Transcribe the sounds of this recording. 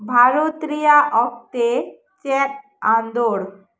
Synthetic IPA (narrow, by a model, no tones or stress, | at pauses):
bʱaɾot̪ɾijaʔɔk̚t̪e | t͡ɕɛt | ãnd̪oɽ